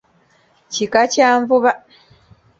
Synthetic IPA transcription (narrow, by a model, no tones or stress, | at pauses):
cikacaːɱvuβa